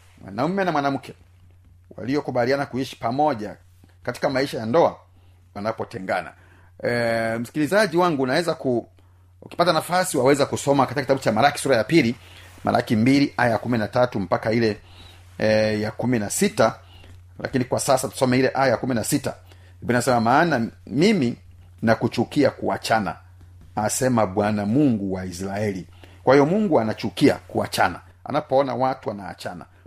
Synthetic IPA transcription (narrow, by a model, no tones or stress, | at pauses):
mwa̰naumɛnamwanam̩kʰɛ | wa̰lijɔkuɓalianakuiʃi̥pamɔʄa | kati̥kamaiʃajandɔa | wanapɔtɛŋɡa̰na̰ | m̩si̥kilizaʄiwaŋɡuːnawɛzaku | uki̥patanafasiwawɛzakusɔmakatikakitaɓut͡ʃamaɾaki̥suɾajapilimʔa̰ɾa̰kimbiliʔajaakuminatatum̩pakailɛ | jakuminasita | la̰kinikwasasatu̥sɔmɛilɛʔajajakuminasita | ibininasɛmamaːnamimi | nakut͡ʃukiakua̰t͡ʃana̰ | asɛmaɓwanamuŋɡuwaisɾaɛli | kwahijɔmuŋɡuanat͡ʃukia̰kua̰t͡ʃana̰ | a̰napɔɔna̰watuwanaa̰t͡ʃana̰